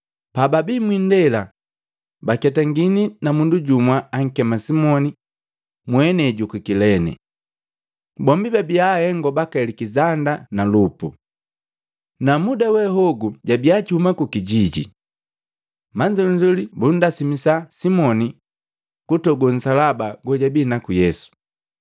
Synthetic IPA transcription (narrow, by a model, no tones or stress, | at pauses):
pababimwindɛla | bakɛtaŋɡininamunduɟumwaaŋ̩kɛmasimɔni | mwɛnɛɟukukilɛnɛ̰ | bɔmbibabiahɛŋɡɔbakalikizandanalupṵ | namudawɛɦɔɡuɟabiat͡ʃihumakukiɟiɟḭ | maɲd͡ʒɔliɲd͡ʒɔlibun̩dasimisasimɔni | kutɔɡɔn̩salabaɡɔɟabiːnakujɛsu̥